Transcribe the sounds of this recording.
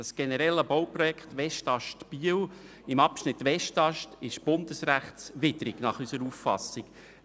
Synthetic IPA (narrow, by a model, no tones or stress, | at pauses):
ɑsɡ̥ɛnəɾɛlːəbowprɔjɛkχt̪ʋɛʃtɑʃtb̥iəw | ɪmɑpʃnɪtːʋɛʃtɑʃtɪʃb̥ʊnd̪əsɾæχtsʋɪd̪ɾɪɡnɑχysəɾufːɑ̰sɪk